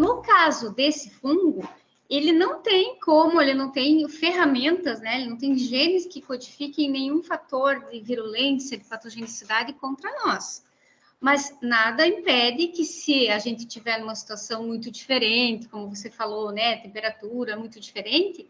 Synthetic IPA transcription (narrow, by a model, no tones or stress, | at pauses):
nʊkazʊd̪esɪfũŋɡʊ | elɪnɐ̃w̃t̪ẽj̃kõmʊelɪnɐ̃w̃t̪ẽj̃feɦamẽnt̪ɐznɛelɪnɐ̃w̃t̪ẽj̃ʒenɪskɪkod͡ʒifikẽj̃nẽj̃ũfat̪oɾd̪ɪviɾolẽsjɐd̪ɪpat̪oʒenisid̪ad̪ɪkõnt̪ɾɐnɔs | mɐznad̪ɐĩpɛd̪ɪkɪsɪaʒẽnt̪ɪt͡ʃivɛɾnũmɐsi̥t̪uasɐ̃w̃mũj̃t̪ʊd͡ʒifeɾẽnt̪ɪ̥kõmʊvosefalownɛt̪ẽmpeɾat̪uɾɐmũj̃t̪ʊd͡ʒifeɾẽnt̪ɪ